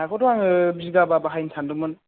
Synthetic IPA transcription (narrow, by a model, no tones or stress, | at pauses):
akʰɔtɔwaŋɯbizɡababaɦajnsʰandumɯn